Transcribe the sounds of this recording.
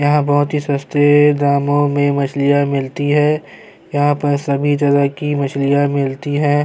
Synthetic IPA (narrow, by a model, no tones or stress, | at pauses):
jɐɦãbɔɦʊt̪ɦisɐst̪ed̪aːmõmẽmɐt͡ʃʰlijamɪlt̪iɦɛː | jɐɦãpɐɾsɐbʱit̪ɐɾakimɐt͡ʃʰlijamɪlt̪iɦɛ̃ː